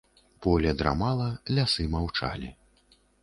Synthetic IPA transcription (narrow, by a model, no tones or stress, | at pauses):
pɔlʲɐd̪ɾa̰malˠɐlʲasɨmawt͡ʂa̰lʲi